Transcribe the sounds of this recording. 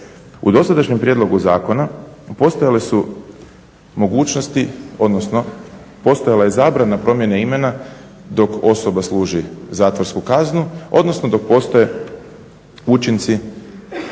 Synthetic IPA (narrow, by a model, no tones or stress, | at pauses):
ṵd̪o̞sad̪aʃɲempɾjed̪lˠo̞ɡuzaːko̞napo̞st̪ojalesu | mo̞ɡuːt͡ʃnost̪iod̪nosno | po̞st̪ojalaje̞zaːbɾanapɾo̞mje̞neime̞na | d̪o̞ko̞so̞baslˠuːʒizaːt̪ʋoɾskukaznuo̞̰d̪no̞snod̪o̞k̚po̞st̪oje̞ | ut͡ʃint̪si